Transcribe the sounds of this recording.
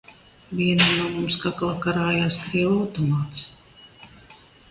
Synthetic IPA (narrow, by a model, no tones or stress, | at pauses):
vʲiɛnanuɔmumskaklˠakaɾaːjaːskɾiɛwawt̪ɔmaːt̪s